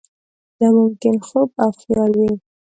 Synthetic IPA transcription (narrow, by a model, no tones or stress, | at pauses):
d̪amʊmkɪnxob̚afjɑɾwi